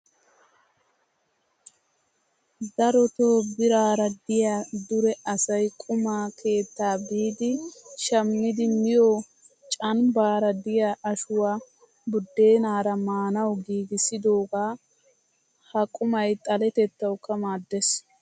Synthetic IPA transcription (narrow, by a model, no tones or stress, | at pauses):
d̪ɐɾɔt̪oːbɪɾaːɾɐd̪ɪjaːd̪ʊɾɛʔɐsɐjkʼʊmaːkʰe̞ːt̪ːaːbiːd̪ɪʃɐmːɪd̪ɪmɪjoː | t͡ʃʼɐnbaːɾɐd̪ɪjaːʔɐʃʊwaː | bʊd̪ːe̞ːnaːɾɐmaːnɐwɡiːɡɪsɪd̪o̞ːɡaː | hɐkʼʊmɐjt̪ʼɐlɛt̪ɛt̪ːɐwkːɐmaːd̪ːɛs